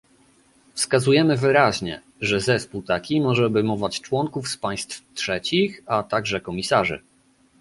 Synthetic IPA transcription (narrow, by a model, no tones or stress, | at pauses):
fskazujɛmɘvɘɾaʑɲɛ̰ | ʐɛzɛspuwt̪akʲimɔʐɛbɘmɔvat͡ɕt͡ʂwɔŋkufspaj̃st̪ftʂɛt͡ɕixat̪aɡʐɛkɔmʲisaʐɘ̰